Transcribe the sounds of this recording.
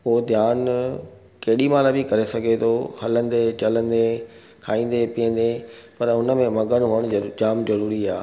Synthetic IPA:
oɦod̪ʱjaːn | kɐɦɪɗimaːlabɪkɐɾesɐɡʱet̪ʰohɐlə̃nd̪et͡ɕɐlə̃nd̪e | kʰaːĩːn̆d̪epiːə̃n̆d̪epɐɾʊnəmẽmɐɡəɽ̃ɦuːəɽ̃d͡ʑaːmzɐɾuːɾiaː

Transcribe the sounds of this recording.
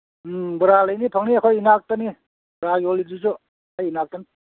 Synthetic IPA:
bɯɾalajnipʰaŋniakʰɔjinak̚tani | bɾaɡiɔlidisɔ | ajinak̚tani

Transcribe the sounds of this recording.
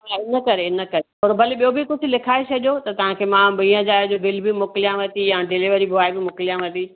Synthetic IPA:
ɦaɪnəkɐɾeɪnəkɐɾeoːɾbʱɐleɓijobɪkʊd͡ʑʱɪ̆lɪkʰaːesʰɐʄot̪ɐt̪ɐʋ̤ãkʰemãbĩːə̃d͡ʑaːjd͡ʑobɪlbɪmʊklijãʋɐt̪ijãɖɪliʋəɾibʱʊaːibɪmʊkɪlijãʋɐt̪i

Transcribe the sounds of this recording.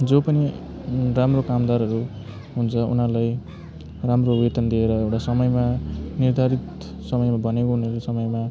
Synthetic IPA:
d͡zopʌni | ramrokamd̪aɾɦʌɾu | ɦunt͡sʰʌṵnalaj | ramroʋet̪ʌnd̪ieɾʌewʈasʌmʌjmanird̪ʱaɾit̪ | sʌmʌjmabʱʌnekoɦunʌɾosʌmʌjma

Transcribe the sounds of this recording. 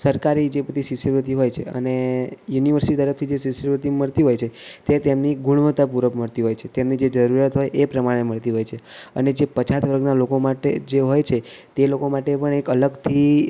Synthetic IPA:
səɾkaɾid͡ʒepət̪isisəɾʋət̪iɦojt͡ʃʰḛə̰nejuniʋəɾsiʈit̪əɾəf̚t̪ʰid͡ʒesisəɾʋət̪iməɭt̪iɦojt͡ʃʰet̪et̪emniɡuɽ̃uʋət̪apuɾəkməɭt̪iɦojt͡ʃʰet̪emnid͡ʒed͡ʒəɾuɾjat̪ɦojʔepɾəmaɽ̃eməɭt̪iɦojt͡ʃʰeəned͡ʒepət͡ʃʰat̪ʋəɾɡnalokomaʈed͡ʒeɦojt͡ʃʰet̪elokomaʈepəɳekələɡt̪ʰi

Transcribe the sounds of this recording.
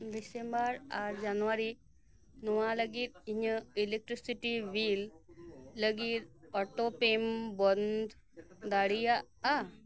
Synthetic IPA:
d̪isembəɾaɾd͡ʒanʋaɾi | nuʋaləɡiːɾiɲəilek̚ʈɾisiʈiʋiːlː | əɡiːɾɔʈopembond̪ | d̪aɽija | a

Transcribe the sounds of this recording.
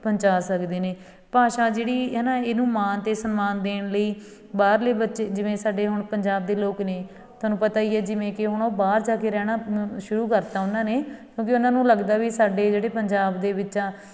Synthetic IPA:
pəɲt͡ʃaːsəkd̪eːneː | paːʃaːd͡ʒeːɽiːɦɛːnãːeːnũːmaːnt̪eːsənmaːnd̪eːɳləiː | baːɾleːbətːʃeːd͡ʒɪʋẽːsaːɖeːɦʊɳpəɲd͡ʒaːb̚d̪eːloːkneː | t̪oʊaːnũːpət̪aːiːɛːd͡ʒɪʋẽːkɪɦʊɳoːbaːɾd͡ʒaːkeːɾɛːɽ̃aːʃʊɾuːkəɾt̪aːʊnãːneːkjõːk̬ɪʊnãːnũːləɡd̪aːʋiːsaːɖeːd͡ʒeːɽeːpəɲd͡ʒaːbd̪eːʋɪãː

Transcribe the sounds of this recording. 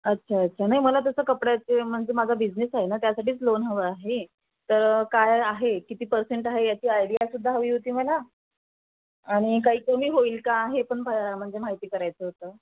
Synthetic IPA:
ətːɕʰaətːɕʰanaɦiməlat̪əsəːkəpɽjat͡sem̤əɳd͡zemad͡zʱabid͡znesaɦenat̪jasaʈʰiːt͡slonɦəʋəaɦe | t̪əɾkajaɦekit̪iːpəɾseɳʈaɦejat͡ɕiːajɽiasud̪ʱːaɦəʋiːɦot̪iːməla | ɽ̃ikaɦiːkomiːɦoiːlkaːɦepəɳbʱam̤əɳd͡zemaɦit̪iːkəɾajt͡səːɦot̪əː

